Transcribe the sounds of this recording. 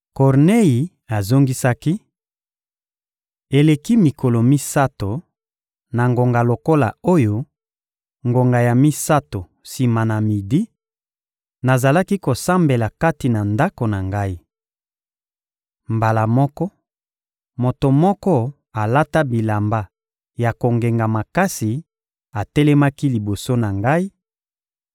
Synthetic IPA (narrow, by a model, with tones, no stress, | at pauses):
kɔ˨ʁne˦ji˨ | a˨zo˦ŋɡi˦sa˦ki˦ | e˨le˨ki˦mi˨ko˨lo˨mi˦sa˦to˨ | na˨ŋɡo˨ŋɡa˨lo˨ko˦la̰˨o˦jo˦ | ŋɡo˨ŋɡa˨ja˨mi˦sa˦to˨ | si˨ma˨na˨mi˨di˦ | na˨za˨la˦ki˦ko˨sa˦mbe˨la˨ka˦ti˨na˨nda˦ko˨na˨ŋɡa˦i˦ | mba˨la˨mɔ˦kɔ˦ | mo˨to˨mɔ˦kɔ˦ | a˨la˦ta˦bi˨la˨mba˨ | ja˨ko˨ŋɡe˨ŋɡa˨ma˨ka˦si˨ | a˨tɛ˦lɛ˦ma˦ki˦li˨bo˨so˦na˨ŋɡa˦i˦